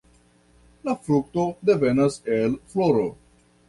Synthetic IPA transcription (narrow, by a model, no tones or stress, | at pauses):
lafɾuk̚t̪od̪evenaselfloɾo